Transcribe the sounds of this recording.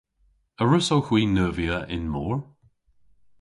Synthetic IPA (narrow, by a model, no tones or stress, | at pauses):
əɹʊsowxwiːnəːviəʔɪ̰nmɔːɹ